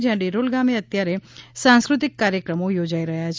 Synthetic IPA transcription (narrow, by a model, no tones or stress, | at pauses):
d͡ʒjãɖiɾolɡameət̪jaɾesãnskɾut̪ikːaɾjəkɾəmojod͡ʒaiɾəɦjat͡ʃʰ